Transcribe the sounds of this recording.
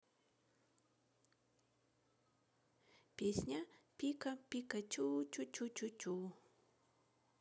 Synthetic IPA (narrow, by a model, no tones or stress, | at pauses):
pɪsɲapɪkapɪkat͡ʃuwt͡ʃʊt͡ʃʊt͡ʃʊt͡ʃʊw